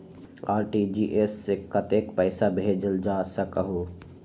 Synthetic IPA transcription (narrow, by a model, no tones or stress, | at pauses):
aːɾʈid͡ʒiʔesːekət̪ekpəɪsabʱed͡ʒəld͡ʒasəkəɦo